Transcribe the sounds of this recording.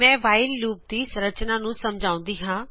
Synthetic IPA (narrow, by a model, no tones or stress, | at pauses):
mɛ̃ːʋaːɪlːuːp̚d̪iːsəɾət͡ʃnaːnũːsəmd͡ʒaːʊ̃nd̪iːɦãː